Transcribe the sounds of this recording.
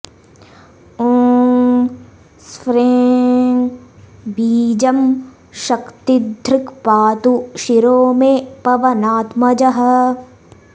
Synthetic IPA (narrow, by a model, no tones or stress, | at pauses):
oːŋŋ | sfɾeːŋ | biːd͡ʒɐm | ʃɐkt̪id̪ʱɾɪkpaːt̪uʃiɾoːmepɐʋɐnaːt̪mɐd͡ʒɐɦɐ̆